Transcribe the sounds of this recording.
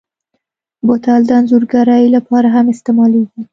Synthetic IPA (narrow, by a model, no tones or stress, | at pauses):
bot̪ald̪anzuɾɡaɾɑjlapʰɑɾaɦamɪst̪emɑleɡʲi